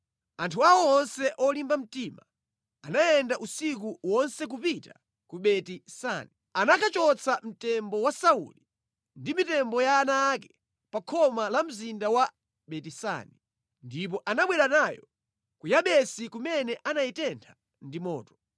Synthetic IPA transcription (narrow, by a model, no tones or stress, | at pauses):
antʰuawɔɔnsɛʔɔlimbam̩tima | anajɛndaʔusik̬uwɔnsɛk̬upita | kuɓɛtisa̰ni | anakʰat͡ʃɔt͡sʰam̩tɛmbɔwasaṵli | ndimitɛmbɔjaːnaːkɛ̥ | pakʰɔmalam̩zindawa | ɓɛtisa̰ni | ndip̬ɔʔanaɓwɛɾanajɔ | kujaɓɛsikumɛnɛʔanajitɛntʰḁ | ndimɔ̰ːtɔ̥